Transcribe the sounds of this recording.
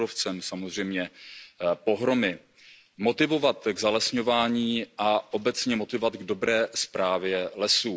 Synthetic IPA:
oft͡sɛmsamozr̝ɛjmɲɛ | po̞ɦɾo̞mɪ | mo̞t̪ɪvo̞vat̪ɡzalɛsɲo̞vaːɲiːʔaʔo̞bɛt͡sɲɛmo̞t̪ɪvovat̪ɡdo̞bɾɛːspɾaːvjɛlɛsuː

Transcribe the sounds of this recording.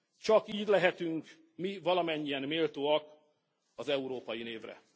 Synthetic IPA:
t͡ʃɒkiːɟ̪ʲlɛɦɛt̪yŋk | mivɒlɒmɛɲːiɛnmeːlt̪oːɒk | ɒzɛuɾoːpɒjineːvrɛ̰

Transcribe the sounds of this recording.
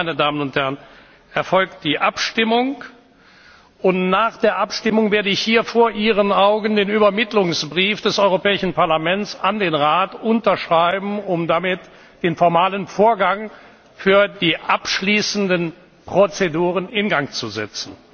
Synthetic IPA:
aɪnədaːmənʊnthɛɐʁən | ʔɛɐfɔlkt̚d̥iːʔapʃtɪmʊŋ | ʔʊntnaːχd̥eːɐʔapʃtɪmʊŋveːɐdəɪçhiːɐfoːɐʔiːʁ̞ənaʊɡəndeːnyːbɐmɪtlʊŋsb̥ʁiːfd̥ɛsʔɔʏʁopɛːɪʃn̩paɐlamɛnt͡sandeːnʁaːtʔʊntɐʃʁ̥aɪbm̩ʊmdamɪt | d̥eːnfɔɐmaːlənfoːɐɡaŋ | fyːɐdiːʔapʃliːsn̩dən | pʁ̥ot͡seduːʁənɪnɡaŋt͡suzɛ̰t͡sn̩

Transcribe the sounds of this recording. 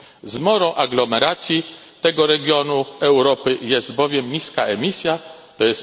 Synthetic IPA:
zmɔɾɔ̃w̃ʔaɡlɔmɛɾat̪sʲji | t̪ɛɡɔɾɛɡʲjɔnuɛwɾɔpɘjɛsd̪̚bɔvʲjɛmɲiskaʔɛmʲisʲjat̪ɔjɛs

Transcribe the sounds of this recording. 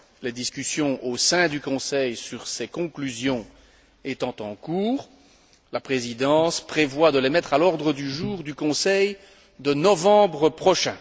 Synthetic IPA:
led̪iskʲysjɔ̃ʔosɛ̃d̪ykɔ̃sɛjsyʁsekɔ̃klyzjɔ̃ | et̪ɑ̃t̪ɑ̃kuːʁ | lapχezid̪ɑ̃spχevwad̪əlemɛt̪χalɔʁd̪ʁəd̪yʒuːʁd̪ykɔ̃sɛj | d̪ənɔvɑ̃bʁəpχɔʃɛ̃

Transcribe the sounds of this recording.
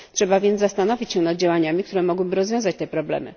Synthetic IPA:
tʂɛbavʲjɛnast̪anɔvʲit͡ɕɕɛ̃nad̪̚d͡ʑawaɲamʲik̚t̪uɾɛmɔɡwɘbɘɾɔzvʲɔ̃w̃zat͡ɕt̪ɛpɾɔblɛ̰mɘ̰

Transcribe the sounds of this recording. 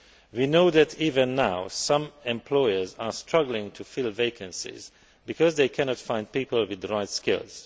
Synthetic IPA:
winoʊðætʰiːvə̃nːaʊsʌ̃mɛ̃mpʰlɔɪə˞zastʰɹ̥ʌɡlɪ̃ŋtʰufɪlˠveɪkʰə̃nsɪ̰z | bɨkʰɔzðeɪkʰɛnɔtfãɪ̃nd̚piːpəlˠwɪdɹaɪtskɪ̰lˠz̥

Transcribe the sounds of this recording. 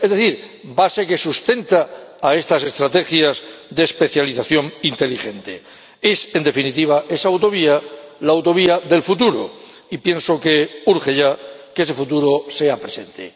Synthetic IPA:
ezðeθiɾ | baseke̞sust̪e̞nt̪aːe̞st̪ase̞st̪ɾat̪e̞xjazðe̞ːspe̞θjaliθaθjo̞ŋint̪e̞lixe̞nt̪e̞̰ | e̞se̞nd̪e̞finit̪iβ̞ae̞saawt̪o̞β̞ialaːwt̪o̞βiaðe̞lfut̪uɾo̰ | ipje̞nso̞keuɾxe̞ʝakese̞fut̪uɾo̞se̞apɾese̞nt̪ḛ

